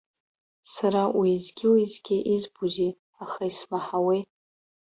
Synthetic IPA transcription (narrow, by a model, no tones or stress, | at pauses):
saɾawizɡʲɪwizɡʲɪʔizbuzi | aχaismaħawi